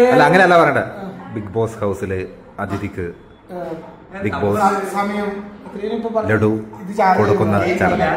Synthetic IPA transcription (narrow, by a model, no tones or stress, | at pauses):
ɐlːaɐŋːɐne̞ɐlːaːpɐrɐejuɳɖɨbiɡbo̞ːshɐwsilɨ | ɐd̪ʱid̪ikʲːɨ | biɡboːssɐmɐjɐmɐt̪ɾiʋɐnipːopɐleɽuiðɨt͡ɕaːkoɽɐkːunːɐt͡ɕɐlɐna